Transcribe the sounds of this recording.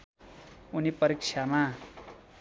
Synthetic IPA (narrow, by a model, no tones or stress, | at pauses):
unipʌɾikʂʰama